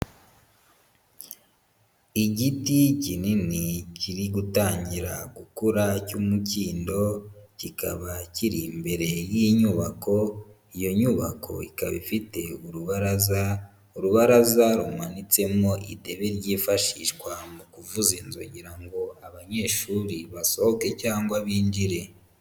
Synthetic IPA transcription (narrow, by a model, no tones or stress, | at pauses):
iɟiticininiciɾiɡutaːɲɟiɾa̰ɡukuɾacumuciːndo̞cikʰa̰βaciɾimbe̞ɾe̞jiɲuːβako̞ | ijo̞ɲuβa̰kʰo̞̰ikaβḭfite̞uɾuβaɾaza | uɾuβaɾazaɾumanit͡se̞mo̞ʔite̞βe̞ɾɟiːfaʃiʃkwamukuvuzinzo̰ɟiɾaŋɡo̞aβaɲe̞ːʃuɾiβaso̞hoke̞caːŋɡwaβiːɲd͡ʒiɾe̞